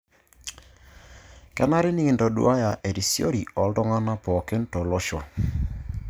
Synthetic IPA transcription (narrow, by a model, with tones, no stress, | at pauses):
kɛ˦na˦ɾɪ˦ni˦˨ndɔ˨dṵ˦a˦ja˨ʔe˨ɾi˨sjo̰˦ɾi˨ɔ˨˦ldɔ˦ŋa˦na˦pɔ˨kɪ˦ntɔ˨lɔ˦ʃɔ˨